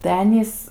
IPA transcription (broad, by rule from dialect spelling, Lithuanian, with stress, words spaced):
tɐɪ ˈɑːnʲiːs